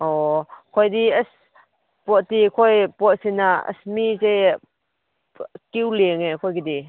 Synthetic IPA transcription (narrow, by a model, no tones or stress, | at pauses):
ʔɔkʰɔjdiəs | pɔt̚t̪ikʰɔjpɔt̚sinaə̰smit͡sej | kiwleŋɛkʰɔjkid̪i